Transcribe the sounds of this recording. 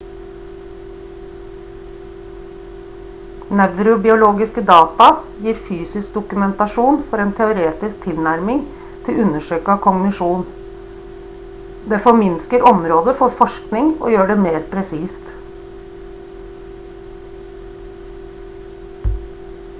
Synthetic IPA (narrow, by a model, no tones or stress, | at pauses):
næʋɾʊbɪʊloːɡɪskəd̪ɑːt̪ɑ | jiːɾfyːsɪsk̚d̪ʊkʉmɛnt̪ɑʂuːnfɔɾeːnt̪ʰɛʊɾeːt̪ɪsk̚t̪ʰɪlnæɾmɪŋ | t̪ʰɪlʉnːəʂøːkəɑkʰɔŋnɪʂuːn | d̪eːfɔɾmɪnskəɾɔmɾoːd̪əfɔɾfɔʂknɪŋɔ̰ːjøːɖɛmeːɾpʰɾɛsiːst̪